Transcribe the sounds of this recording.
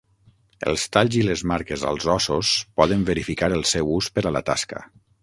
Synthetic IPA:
ə̰lˠst̪aʎziləzmaɾkezə̰lˠzɔsospɔðəmvəɾifikaɾəlˠsɛwuspəɾalə̰t̪a̰skə̰

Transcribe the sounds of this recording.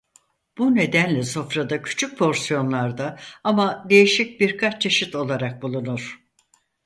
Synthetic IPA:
b̥une̞d̪ænlʲɛso̞fɾad̪acʰy̥t͡ʃʰyc̚pʰo̞ɾsijo̞nlˠaɾd̪aamad̪e̞jiʃic̚biɾkʰat͡ʃt͡ʃʰeʃit̪ʰo̞lˠaɾak̚bulˠunuɾ̥

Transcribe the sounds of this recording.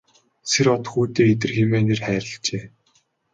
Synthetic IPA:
seɾɔt̪xuːt̪eːet̪̬ɘ̆rxemeːnerχæːɾʲɪ̆ɬt͡ɕeː

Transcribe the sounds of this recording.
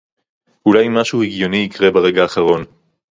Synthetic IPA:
ulajmaʃuheɡjo̞nijikʁe̞baʁe̞ɡaːχaʁo̞n

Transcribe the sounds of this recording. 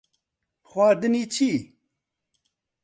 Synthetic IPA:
xwaːd̪ənit͡ɕʰi

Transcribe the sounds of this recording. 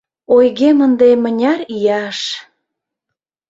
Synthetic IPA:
ojɣemənd̪emə̆nʲɑrijɑʃ

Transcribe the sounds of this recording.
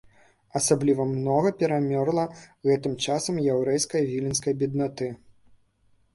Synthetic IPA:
ɐsablʲivɐmnɔɣɐpʲɛɾamʲɔrlˠɐɣɛt̪ɨmt͡ʂasɐmjɛwɾɛjskɐjvʲilʲinskɐjbʲid̪nat̪ɨ

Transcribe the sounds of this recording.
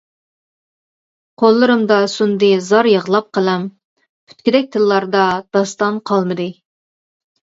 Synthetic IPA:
qʰolˠːɨɾɨmd̪ɑsund̪ɨzɑɾjəʁlˠɑp̚qʰəlˠɛm | pʰy̥t̪̚kʲid̪ɛk̚ʲt̪ʰɨlːɑɾd̪ɑd̪̥ɑst̪ɑnqʰɑlˠmɨd̪ɨ

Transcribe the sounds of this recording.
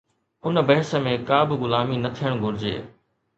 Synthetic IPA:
ʊnbɐɦɪsəmẽkaːbɪɣʊlaːminɐt̪ʰijəɽ̃ɡʱʊɾɪd͡ʑḛː

